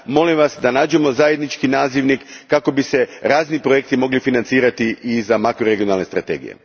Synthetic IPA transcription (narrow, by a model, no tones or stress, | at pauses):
mo̞limʋasd̪anaːd͡ʑe̞mo̞zaje̞d̪nit͡ʃkinaːziʋnikːako̞bise̞ɾaːznipɾoje̞k̚t̪imo̞ɡlifinant̪siːɾat̪iʔizamakɾoɾeɡio̞nalne̞st̪ɾat̪e̞̰ːɡḭjḛ